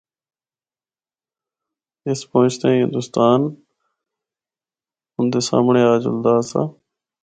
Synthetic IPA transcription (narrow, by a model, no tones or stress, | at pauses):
ɪspɔʊ̃t͡ʃt̪ẽːɦɪ̃nd̪ʊst̪aːn | ʊnd̪eːsa̰ːmɳeːaːd͡ʒʊ̰ld̪aːsa̰ː